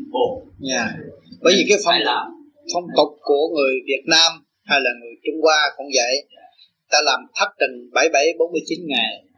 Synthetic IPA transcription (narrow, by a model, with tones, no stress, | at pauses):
ɲaː˨˩ɓəː˨˦jzi˨˩kaː˨˦jfə˧ŋ͡m | fə˧wŋ͡mt̪ʊ˨˩k͡p̚ku˧˩əŋɨ˨˩əjvi˨˩ət̚naː˧m | ha˧jlaː˨˩ŋɨ˨˩əjt͡ɕʊ˧ŋ͡mkwaː˧kʊ̰˧˩ŋ͡mzə̰˧˨j | t̪aː˧laː˨˩mt̪ʰa˦˥p̚t͡ɕi˨˩ŋɓa˧˩jɓə˧˩jɓo˨˦nmɨ˧əjt͡ɕi˨˦nŋa˨˩j